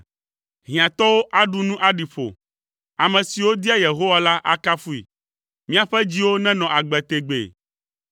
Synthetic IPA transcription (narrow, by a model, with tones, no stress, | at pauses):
ɦĩ˨ã˨t̪ɔ˦wo˦ʔa˦ɖu˦nũ˦ʔa˦ɖi˨ɸo̰˨ | a˨mɛ̃˨si˨wo˦d̪i˦a˦je˨ɦo˦wa˦la˦ʔa̰˦ka˦fu˦ḭ˨ | mĩ˦a˨ɸɛ˦d͡ʑi˦wo˦nɛ̃˦nɔ̃˨ʔa˨ɡ͡bɛ˨t̪e˨ɡ͡bḛ˨